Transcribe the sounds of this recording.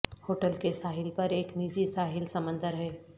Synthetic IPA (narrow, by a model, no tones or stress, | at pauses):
hoːʈəlkesaːɦɪlpɐɾeːknid͡ʒisaːɦɪlsɐmə̃nd̪ʱəɾɦɛː